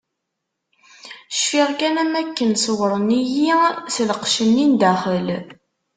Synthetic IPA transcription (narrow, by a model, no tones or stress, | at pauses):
ʃfiʁkænæmækːənswəɾˤənijisləqʃənːind̪æχəl